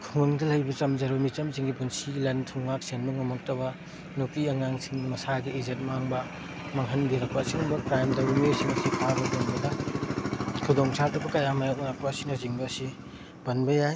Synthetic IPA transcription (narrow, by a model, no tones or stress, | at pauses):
kʰuŋɐŋdɐlɐjbɐt͡ʃɐmzɐɾbɐmit͡ʃɐmziŋɡipunsilɐntʰuŋmak̚senbɐŋumɐk̚tɐbɐ | nukiɐŋaŋsiŋmɐsaɡiizet̚maŋbɐ | mɐŋɦɐnbiɾɐk̚pasiŋbɐkɾajmdɐwmesiŋɐsipʰabɐdonbɐdɐ | kʰudoŋsatɐbɐkɐjamɐjak̚nak̚paɐsinɐziŋbɐsi | b̥ɐnbɐjaj